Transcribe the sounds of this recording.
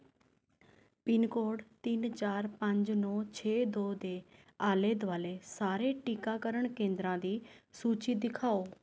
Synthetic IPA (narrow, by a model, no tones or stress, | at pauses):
pɪnkoːɖt̪ɪnt͡ʃaːɾpəɲd͡ʒnɔ̃ːt͡ʃʰeːd̪oːd̪eː | aːleːd̪ʋaːleːsaːɾeːʈiːkaːkəɾəɳkẽːnd̪ɾãːd̪iːsuːt͡ʃiːd̪ɪkʰaːoː